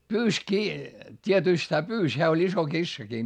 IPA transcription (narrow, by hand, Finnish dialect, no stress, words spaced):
pyːs kiː tʲietyˑst hæː pyːs heæ olʲ iso kisːɑki